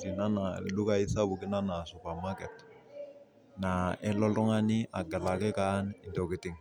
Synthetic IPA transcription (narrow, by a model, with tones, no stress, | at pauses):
ti˨na˦na˨lu˦ka˦i˦sa˦bu˨kɪ˦na˦na˨su˨pa˨ɾma˦kɛ˨t | naɛ˦lɔ˦ltɔ˦ŋa˦nɪʔa˨ɡa˨la˨kɛ˦ka˦nɪ˨ndo˨kɪ˨tɪ˦ŋ